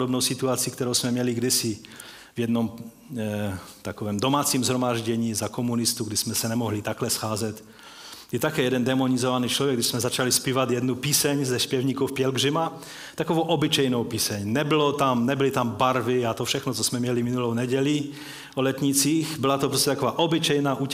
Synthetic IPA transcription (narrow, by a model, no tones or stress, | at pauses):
dobnowsit̪uat͡sikt̪ɛɾowsmɛmjɲɛliɡdɪsi | vjɛdnom | t̪akovɛːmdomaːt͡siːmzɦɾomaːʒɟɛɲiːzakomunist̪uɡdɪsmɛsɛnɛmoɦlit̪aklɛsxaːzɛt̪ | jɛt̪akɛːjɛdɛndɛmonizovaniːt͡ʃlvjɛɡ̚dɪʃsmɛzat͡ʃalispiːvat̪jɛdnupiːsɛɲzɛspjɛvɲiːkowfpjɛlɡrɪma | t̪akovowʔobɪt͡ʃɛjnowpiːsɛɲnɛbɪlot̪amnɛbɪlit̪ambaɾvɪat̪ofʃɛxnot͡sosmɛmɲɛliminulownɛɟɛli | olɛt̪ɲit͡siːxbɪlat̪opɾoscɛt̪akovaːʔobɪt͡ʃɛjnaːʔuː